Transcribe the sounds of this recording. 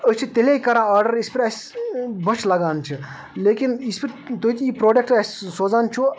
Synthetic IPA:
ət͡ʃʰit̪eleikɐɾãaːɾɖəɾispiɾɐs | bɐt͡ʃʰlɐɡaːnt͡ʃʰi | leːkinispiɾ | t̪ot̪ʰiipɾoːɖek̚ʈɐssoːd͡zaːnt͡ʃʰu

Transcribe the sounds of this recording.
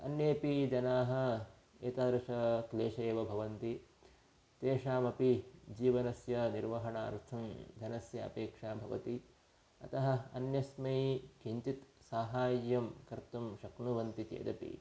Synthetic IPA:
ɐ̰njeːpid͡ʒɐnaːɦɐ̆ | eːt̪aːd̪ɾɐʃɐkleːʃeːʋɐbʱɐʋɐnt̪i | t̪eːʂaːmɐpid͡ʒiːʋɐnɐsjɐniɾʋɐɦɐɳaːɾt̪ʰɐmd̪ʱɐnɐsjɐɐ̰peːkʂaːbʱɐʋɐ̰t̪i | ɐ̰t̪ɐɦɐ̆ɐ̰njɐsmɐikiɲt͡ʃit̪saːɦaːjjɐmkɐɾt̪umʃɐknuʋɐnt̪it̪ḛːd̪ɐpḭ

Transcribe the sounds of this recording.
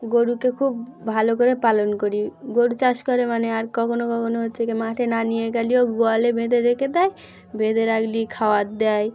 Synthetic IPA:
ɡoɽukekʰubːʱalokoɾepalonkoɾiɡoɽut͡ɕaʃkɔɾemaneaɾkɔkʰonokɔkʰonoɦotːɕʰekemaʈʰenanieɡalioɡoalebʱed̪eɾekʰed̪aj | bʱed̪eɾaklikʰawat̪̚d̪ɛj

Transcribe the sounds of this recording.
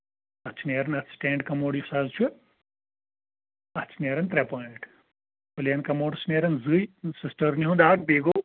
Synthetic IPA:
ɐt͡ʃʰneːɾɐnɐt̪ʰsʈẽːɳɖkɐmoːɖjsaːzt͡ʃʰu | ɐt͡ʃʰneːɾɐnt̪ɾɛpoːiɳʈ | pulʲɐnkɐmoːɖsneːɾɐnzɨjsisʈɐɾniɦũd̪aːkbeːɡoː

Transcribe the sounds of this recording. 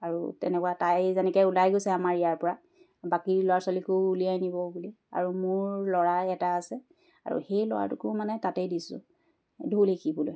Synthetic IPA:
aɹṵtɛ̰nɛkuwatajzɛnɛkɛulajɡojsɛamaɹijaɹpɔɹa | bakiɹlɔwaɹsɔlikouliajnibɔbuli | a̰ɹumʊɹlɔɹajɛtaːsɛ | a̰ɹṵxejlɔ̰wa̰ɹtʊkʊmanɛtatejdisʊ̰ | dʱulekibulo̰j

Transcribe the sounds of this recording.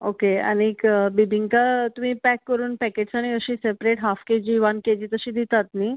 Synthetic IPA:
okea̰ñikbibʱiŋɡkat̪um̤ĩːpɛkːəɾuːnpɛkeʈsaɽ̃iəɕiːsepɾeʈɦafked͡ʑiːʋanked͡ʑiːt̪əɕiːd̪it̪at̪ni

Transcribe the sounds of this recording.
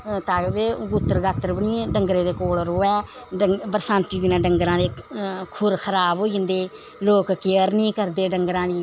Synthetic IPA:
t̪aːbeːɡut̪ːəɾɡaːt̪ːəɾbəɳiːɖəŋɡɾeːd̪eːkoːlɾoːɛː | əbəɾsãːnt̪iːd̪ɪnãːɖəŋɡɾãːd̪eːkʰʊɾkʰəɾaːboːiːənd̪eː | loːkkeəɾnĩːkəɾd̪eːɖəŋɡəɾãːd̪iː

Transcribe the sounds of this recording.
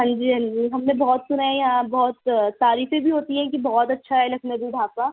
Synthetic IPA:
ɦɐ̃ɲd͡ʒiːɦɐ̃ɲd͡ʒiːɦɐmnebɔːt̪sʊnaẽjɐɦãbɔːt̪saːɾiːfẽbʱiɦoːt̪iɦɛ̃kibɔːɔt̪ɐtːʃʰaɦɛlɐkʰneb̪uɖʱaːpa

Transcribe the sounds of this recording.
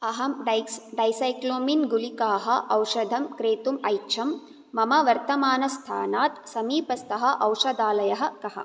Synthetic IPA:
ɐɦɐmɖɐɖɐjsɐjkloːminɡulikaːɦɐʔɐwʂɐd̪ʱɐmkɾeːt̪umɐjt͡ʃʰɐmː | ɐmɐʋɐɾt̪ɐmaːnɐst̪ʰaːnaːt̪sɐmiːpɐst̪ɐɦɐʔɐwʂɐd̪aːlɐjɐɦɐ̆kɐɦɐ̰

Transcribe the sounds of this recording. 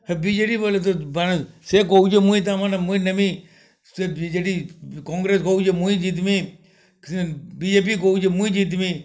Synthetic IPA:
hebiːd͡ʒeːɽiːbolet̪oansekoud͡ʒemũĩt̪̬amanamũĩnɐmĩ | sebid͡ʒeːɖikɔ̃ːŋɡɾeːskoːud͡ʒemũĩd͡ʒiːt̪mĩ | biːd͡ʒeːp̬ikoud͡ʒemũĩd͡ʒiːt̪̬mĩː

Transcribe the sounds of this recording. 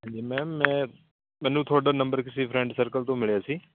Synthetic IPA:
ɦɛ̃ːɲd͡ʒiːmɛ̃ːmːɛ̃ː | mɛ̃ːnũt̪ʰoːɽaːnə̃mbəɾkɪsepʰɾɛ̃ɳɖsəɾkəlt̪õːmɪɭjaːsiː

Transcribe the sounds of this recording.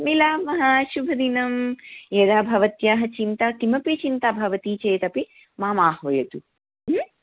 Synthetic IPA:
milaːmɐɦaːʃubʱɐd̪inɐmjeːd̪aːbʱɐʋɐt̪jaːɦɐt͡ʃint̪aːk̪imɐpit͡ʃint̪aːbʱɐʋɐt̪iːt͡ʃeːt̪ɐpi | maːmaːhʋɐjɐt̪u | m̩

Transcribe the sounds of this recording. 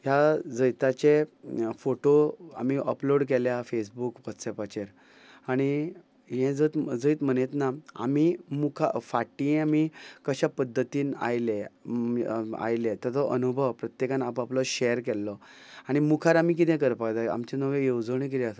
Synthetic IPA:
jad͡zəjt̪at͡ɕefoʈoa̰miʔəploɽk̬ɛljafes̬bukʋɔt̪sɛpat͡ɕeɾ | aɽ̃i | ɦɛ̃d͡zət̪d͡zəit̪m̤ənet̪naa̰mimukʰa̰faʈĩamikəɕapəd̪ʱːət̪iːna̰jle | a̰jlet̪ɛt̪ɔʔənubʱəwpɾət̪jekanapaplɔɕɛəɾkɛlːɔ | aɽ̃imukʰaɾamik̬it̪ɛ̃kəɾpakd̪aa̰mt͡ɕenəʋejewd͡zəɽ̃ẽk̬it̪ɛas

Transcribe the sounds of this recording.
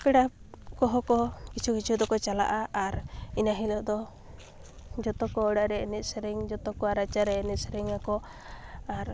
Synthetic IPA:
pɛɽakɔɦɔkɔkit͡ʃʰukit͡ʃʰud̪ɔkɔt͡ʃala̰ʔaaɾinaɦilɔʔd̪ɔ | d͡ʒɔt̪ɔkɔɔɽaʔɾɛɛnit̪̚sɛɾɛŋd͡ʒɔt̪ɔkɔaɾat͡ʃaɾɛɛnit̪̚sɛɾɛŋakɔ | aɾ

